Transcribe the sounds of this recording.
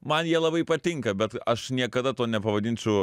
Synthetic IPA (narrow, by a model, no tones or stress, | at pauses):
mɐnjiɛlˠɐbɐɪpɐt̪ʲɪŋkɐbʲɛt̪ɐʃnʲiɛkɐd̪ɐt̪oːnʲɛpɐʋɐd̪ʲɪːnʲt͡sʲʊ